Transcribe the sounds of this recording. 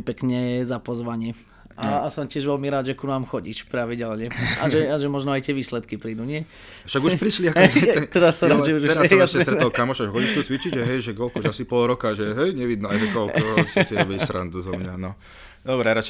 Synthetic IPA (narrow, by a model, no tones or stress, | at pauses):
pɛkɲɛzapɔzʋaɲɪɛ | aasɔmcɪɛʒʋɛlmiɾaːd̪ʒɛkunaːmxɔɟḭʃpɾaʋiɟɛlɲɛʔa̰ʒɛaʒɛmɔʒnɔajt̪ɪɛʋiːslɛt̪kipɾiːd̪uɲɪɛ | ʃaɡuʃpɾiʃliakɔɛɛt̪ɛɾassːɔɾad͡ʒɛuʒɛɾassɾassɛst̪ɾɛt̪ɔlkamɔʃaʒɦɔliʃt̪ut͡sʋit͡ʃid͡ʒʒɛɦɛjʒɛɡɔlkɔʒasipɔlɾɔkaʒɛɦɛjɲɛʋid̪nɔajd̪ɔkɔlkɔɔst͡sɪɛbisɾa̰nd̪uzɔmɲanɔ | d̪ɔbɾɛaɾat͡ʃ